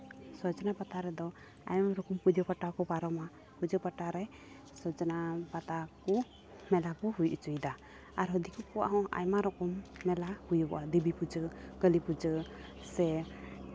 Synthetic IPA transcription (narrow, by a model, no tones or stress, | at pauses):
sɔd͡ʒɔnapat̪aɾɛd̪ɔ | a̰jmaɾɔkɔmpud͡ʒɔpaʈakɔpaɾɔma | pud͡ʒəpaʈaɾɛ | sɔd͡ʒɔnapat̪akɔ | mɛlakɔɦujʔut͡ʃujd̪a | aɾɦɔd̪ikukɔwa̰ʔɦɔ̃a̰jmaɾɔkɔmːɛlahujuɔʔad̪ibipud͡ʒəɡəlipud͡ʒəsɛ